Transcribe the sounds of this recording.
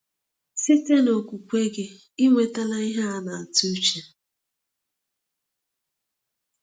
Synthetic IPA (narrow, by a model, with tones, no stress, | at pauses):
si˦te˦no˨kʷu˨kʷu˦e˦ɡe˦ | i˦ŋʷe˨ta˦la˦i˦ɦa˦a˦na˨a˨tu˦t͡ʃe˨